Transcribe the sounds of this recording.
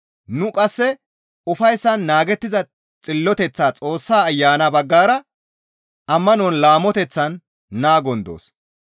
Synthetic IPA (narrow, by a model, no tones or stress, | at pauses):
nʊkʼɐsːɛ | ʊfɐjsːɐnːaːɡɛt̪ːɪzɐ | t͡sʼɪlːɔt̪ɛt͡sːaːt͡sʼo̞ːsːaːjːaːnɐbɐɡːaːɾɐ | ʔɐmːɐnɔnlaːmːɔt̪ɛt͡sːɐnː | aːɡɔnd̪o̰ːs